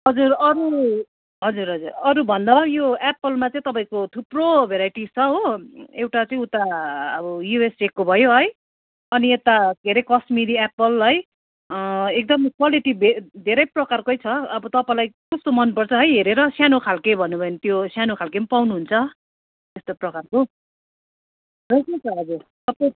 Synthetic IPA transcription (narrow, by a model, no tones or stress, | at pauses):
ɦʌd͡zurʌɾu | ɦʌd͡zuɾɦʌd͡zurʌɾubʱʌnd̪abajoepːʌlmat͡sʌĩt̪ʌpaĩkot̪ʰuprobʱeɾajʈit͡sʰʌɦoewʈat͡sʌĩut̪aʌbʌjuesekːobʱʌjoɦʌj | ʌniet̪ad̪ʱeɾʌjkʌsmiɾiapʌlɦʌj | ek̚d̪ʌmkwaliʈibʱed̪ʱeɾʌjprʌkarkojt͡sʰʌʌbʌt̪ʌpaĩlajkʌst̪omʌnpʌrt͡sʰʌɦʌjɦeɾeɾʌsjanokʰalkejbʱʌnːubʱʌjnit̪josjanokʰalkempawnuɦunt͡sʰʌ | t̪est̪oprʌkarko | rʌsʌt͡sʰʌːd͡zut̪ʌpʌ